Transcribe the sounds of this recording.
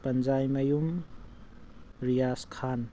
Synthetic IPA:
pɐnzajmɐjum | ɾijaskʰan

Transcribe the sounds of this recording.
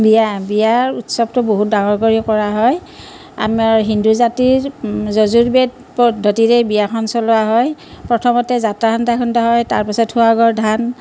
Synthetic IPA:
bijabijaɹutsɔb̚tʊboɦut̚daŋɔɹkoɹikɔɹaɦɔj | a̰maɹɦinduzatiɹzozuɹbet | pɔdʱːɔtiɹɛbijaxʰɔnsɔlɔaɦɔjpɹɔtʰɔmɔtɛzatɹakʰɔntakʰɔntaɦɔjta̰ɹpasɔtʰhuaɡɔɹdʱan

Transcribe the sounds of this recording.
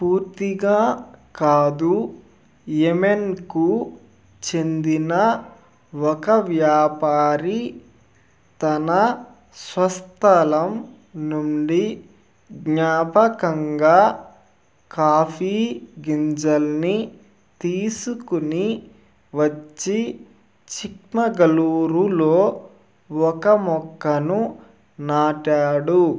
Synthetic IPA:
puːɾt̪iɡaːkaːd̪u | jemenku | t͡ʃend̪inɐ | ɔkɐʋjaːpaːɾi | t̪ɐnɐ | sʋɐst̪ʰɐlɐm | nuɳɖi | ɡɲaːpɐkɐŋɡaː | kaːpʰiːɡiɲd͡ʒɐlni | t̪iːsukuni | ʋɐt͡ʃːi | t͡ʃikmɐɡɐluːɾuloː | ɔkɐmɔkːɐnu | naːʈaːɽu

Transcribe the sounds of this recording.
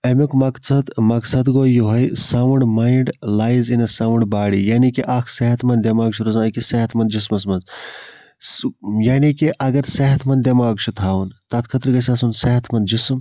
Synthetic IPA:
ɐmʲokmɐksɐd̪mɐksɐd̪ɡoːjuɦɐjsɐwɳɖmaːiɳɖlaːjizinɐsɐwɳɖbaːɽijaːnikiʔaːkʰseɦɐt̪ʰmɐnd̪ʲemaːɡt͡ʃʰuɾuzãːkiseɦɐt̪ʰmɐnd̪d͡ʒismɐs̬mɐnz | jaːnikiʔɐɡɐɾseɦɐt̪ʰmɐnd̪ʲemaːɡt͡ʃʰut̪ʰaːwunt̪ɐt̪̚kʰɐt̪ɾɡɐsʲɐsunseɦɐt̪ʰmɐnd̪d͡ʒism

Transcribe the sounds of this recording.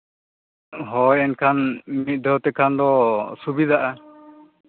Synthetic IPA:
ɦɔjɛnkʰanmit̪̚ˀd̪ɔɦt̪ɛkʰand̪ɔsubid̪aʔa

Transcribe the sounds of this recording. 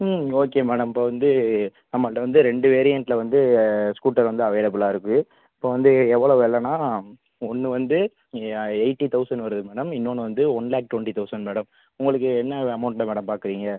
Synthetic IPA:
oːkːeːmeːɽɐmɪpːoʋɐnd̪ɯnɐmːɐʈːɐʋɐnd̪ɯɾɛɳɖɯʋeːɾɪjɐɳʈlɐʋɐnd̪ɯskuːʈːɐɾʋɐnd̪ɯɐʋɐjɐlɐp̬ːɯlaːɪɾɯkːɯ | ɪpːoːʋɐnd̪ɯɛʋːɐɭɐʋɯɛlːɐnaː | ɔnːɯʋɐnd̪ɯ | ɐɪʈːit̪ɐʊsɐɳɖʋɐɾɯðɯmeːɽɐmɪnːoːnɯʋɐnd̪ɯɔnlaːk̚ʈːʋɐɳʈit̪ɐʊsɐɳɖmeːɽɐm | ʊŋɡɐɭɯk̬ːɯɛnːɐɐmɐʊɳʈlɐmɛːɽɐmpaːɾkɯɾiːŋɡɐ

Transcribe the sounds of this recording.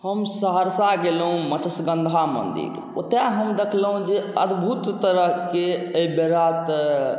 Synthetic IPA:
həmsəɦəɾsaɡelɦũmət͡ʃəsɡənd̪ʱamə̰nd̪ḭɾ | o̰t̪jaɦəmd̪ekʰləɦũd͡ʒeəd̪bʱut̪ːəɾəɦkeəibeɾat̪

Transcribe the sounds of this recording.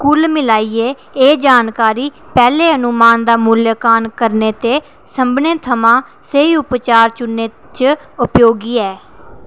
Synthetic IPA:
kuːlmɪlaːiːeː | eːd͡ʒaːnkaːɾiː | pɛːleːənʊmaːnd̪aːmuljəkaːnkəɾneːt̪eː | səmbneːt̪ʰəmãː | seiːʊpt͡ʃaːɾt͡ʃʊnːeː | t͡ʃ | ʊpjoːɡiːɛː

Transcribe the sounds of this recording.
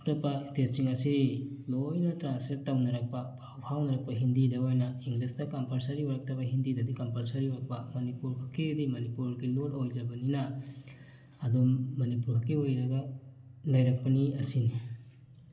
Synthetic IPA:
k̚tɐpɐistet̚siŋɐsidimɐojnɐtɾansetːawnɐɾɐk̚pɐpʰawpʰawnɐɾɐk̚pɐɦindidɐojnɐiŋɡlistɐkɐmpɐlsɐɾiojɾɐk̚tɐbɐɦindidɐdikɐmpɐlsɐɾioɾɐk̚pɐmɐnipuɾɦɐkːidimɐnipuɾɡilolojd͡ʒɐbɐninɐ | dumːɐnipuɾɦɐkːiojɾɐɡɐlɐjɾɐk̚pɐniɐsini

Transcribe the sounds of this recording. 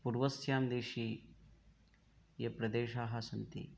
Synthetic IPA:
puɾʋɐsʰjaːmd̪eːʃiː | jɐpɾɐd̪eːʃaːɦɐsɐnt̪ḭ

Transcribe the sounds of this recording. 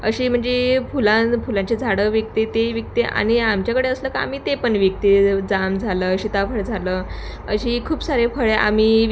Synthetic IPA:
əɕiːm̤əɳd͡zefulãfulãɲt͡ɕed͡zʱaɽəʋjək̚t̪et̪eʋjək̚t̪eʔa̰ñiamt͡ɕjakəɽeəsləkaa̰m̤iːt̪epəɳʋjək̚t̪ed͡zamd͡zʱaləːɕit̪afəɭd͡zʱaləː | əɕiːkʰuːbsaɾefəɭea̰mi

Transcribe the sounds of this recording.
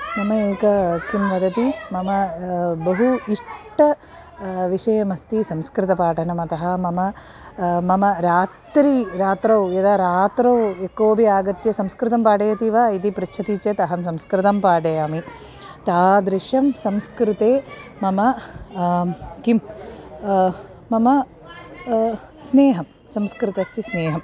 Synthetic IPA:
mɐmɐeːkɐkimʋɐd̪ʱɐt̪imɐmɐbɐɦuiʂʈɐ | ʋiʂɐjɐmɐst̪isɐmskɾɪt̪ɐpaːʈʰɐɳɐmɐt̪ɐɦɐmɐmɐ | mɐmɐɾaːtt̪ɾiɾaːt̪ɾɐwjɐd̪aːɾaːt̪ɾɐwekːoːbʱiaːɡɐt̪jɐsɐmskɾɪt̪ɐmpaːɖɐjɐt̪iʋɐit̪ipɾit͡ʃʰɐt̪iːt͡ʃet̪ɐɦɐmsɐmskɾɪt̪ɐmpaːɖɐjaːmi | t̪aːd̪ɾɪʂjɐmsɐmskɾɪt̪eːmɐmɐ | kim | mɐmɐ | sneːɦɐm | sɐmskɾɪt̪ɐsjɐsneːɦɐm

